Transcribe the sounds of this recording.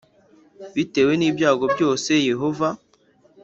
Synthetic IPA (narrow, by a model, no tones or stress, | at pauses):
βite̞ːwe̞niːbjaːɡo̞bjo̞ːse̞je̞ɦo̞va